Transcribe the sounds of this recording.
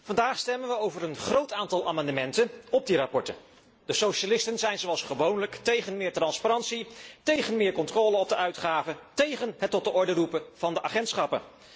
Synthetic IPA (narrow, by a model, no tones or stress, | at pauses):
vɑndaːχstɛmənʋəowvəɾənχrowtaːntɑlˠʔaːmɑndəmɛntənɔb̚dirapɔɹtə | d̥əsowʃalɪstənzɛjnzowɑlˠsχəʋownləktejχənmɪːɹtrɑnspaɾɑntsitejχənmɪːɹkɔntrɔːləɔb̚dəʔœɥtχaːvətejχənɦətːɔt̚dəʔɔɹdərupəv̥ɑndəʔaːχɛntsχɑpə̰